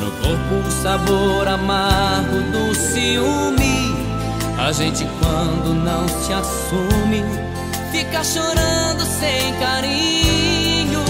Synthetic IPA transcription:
nʊ̰koɾpʊ | saboɾamaɡʊd̪ʊsiumi | a̰ʒẽnt͡ʃɪkwɐ̃nd̪ʊnɐ̃w̃t͡ʃɪas | ũmɪ | fikɐʃoɾɐ̃d̪ʊsẽj̃kaɾi | ɲʊ

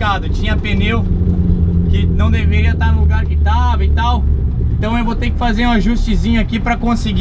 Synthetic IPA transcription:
kad̪ʊt͡ʃĩɲɐpenew | kɪnɐ̃w̃d̪eveɾiɐt̪aɾnʊ̃luɡaɾkɪt̪avɐit̪aw | ẽt̪ɐ̃w̃ewvot̪ẽkɪ̥fazeɾũaʒust͡ʃɪzĩɲʊakipɾɐkõsɪɡ

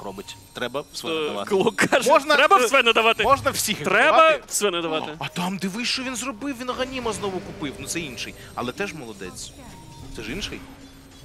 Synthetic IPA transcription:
rɔbɪtʲt̪ɾɛbɐsɛɐa̰kɔlˠɔkaʒmɔʒnɐɾɛbɐsʲbɛnɐd̪ɐʋɑt̪ɪmɔʒnɐwsʲixt̪ɾɛbɐsʲbɛnɐd̪ɐʋɑɪɐt̪ɑmd̪ɪʋɪʃt͡ʃɔʋʲinzrɔbɪwʋʲinɐɦɐnʲimɐznɔʋʊkʊpɪwnʊt̪sɛinʃɪj | ɐ̰lˠɛt̪ɛʒmɔlˠɔd̪ɛ̰t͡sʲ | t̪ɛʒinʃɪj

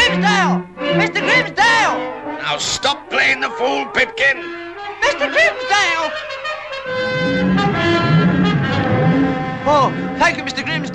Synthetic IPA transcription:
ĩmzdeɪlˠmɪstəɡɹĩmzdeɪlˠna̰ʊstɔp̚pʰl̥eɪɪ̃ŋðəfuːlˠpʰɪp̚kɪ̃n | mɪstəɡɹĩmzdeɪlˠ | okʰãɪkəmɪstəɡɹĩmz

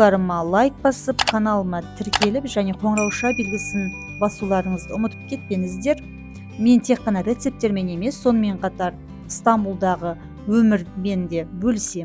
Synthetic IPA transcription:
ɑɾəmɑlˠajk̚bɑsəpkʰanɑlˠmɑt̪ʰɪɾkʲe̞lɪpʒæne̞qʰo̞ɴɾɑwʃɑbe̞lɡʲɪsɪn | bɑsulˠɑɾəɴəzd̪əʊmət̪əp̚kʲʰe̞t̪̚pe̞ŋɪzd̪e̞ɾ | me̞nt̪ʰe̞qqːɑnɑɾʲe̞t̪se̞p̚t̪e̞ɾme̞ne̞me̞sːo̞nəme̞ɴqʰɑt̪ɑɾ | st̪ambulˠd̪ɑʁə | wɵmɪɾme̞nd̪e̞bɵlse̞m

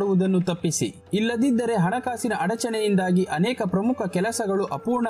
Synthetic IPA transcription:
ɽuʋud̪ɐnːut̪ɐpːisḭ | ilːɐd̪id̪ːɐɾe̞ɦɐɳɐkaːsinɐʔɐɽɐt͡ʃɐɳɛjind̪aːɡiʔɐnɛːkɐpɾɐmukʰɐkɛlɐsɐɡɐɭuʔɐpuːɾɳɐ

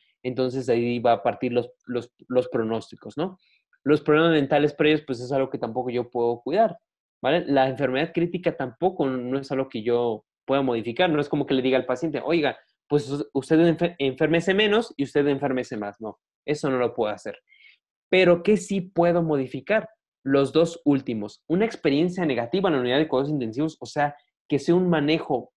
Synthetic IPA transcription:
e̞nt̪o̞ns̬e̞s̬aiβaːpaɾt̪iɾlosloslo̞spɾo̞no̞st̪iko̞zno̞ | lo̞spɾoemazme̞nt̪alespoɾeʝospwe̞s̬e̞s̬alɣo̞ke̞t̪ampo̞ko̞ʝo̞pwe̞ðo̞kwiðaɾ | bale̞laeɱfe̞ɾme̞ðaðkɾit̪ikat̪ampo̞ko̞no̞e̞salɣo̞ke̞ʝo̞ | pwe̞ðomo̞ð̞ifikaɾno̞e̞sko̞mo̞ke̞le̞ðiɣaːlpasje̞nt̪e̞ʔo̞jɣa | pwesust̪e̞ðfeeɱfe̞ɾmese̞mẽ̞no̞siust̪e̞ðeɱfe̞ɾme̞se̞masno̞ | e̞so̞no̞lo̞pwe̞ðoase̞̰ɾ | pe̞ɾo̞ke̞sipwe̞ðo̞mo̞ðifikaɾ | lo̞zðo̞sult̪imo̞sunaekspe̞ɾje̞nsjane̞ɣat̪iβanlauniðaðekwaosint̪e̞nsiβo̞sose̞a | ke̞seunmane̞xo̞

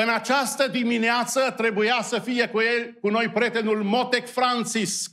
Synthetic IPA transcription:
ɨnat͡ʃast̪əd̪imineat̪sət̪ɾe̞bujasəfije̞kuje̞lʲkuno̞jpɾʲje̞t̪e̞nulmo̞t̪e̞kfɾant̪sisk

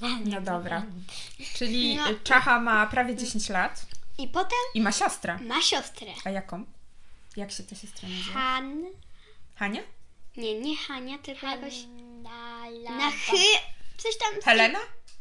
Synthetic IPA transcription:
nɔd̪ɔbɾa | t͡ʂɘlʲit͡ʂaxamapɾavʲjɛd͡ʑeɕeɲt͡ɕlat̪ipɔt̪ɛmimaɕɔst̪ɾɛmaɕɔst̪ɾɛajakɔ̃mjakɕɛt̪ɛɕɔst̪ɾɛɲian | xaɲaɲɛɲɛxaɲat̪ɘlkɔjakɔɕ | naxɘt̪sɔɕt̪amxɛlɛna

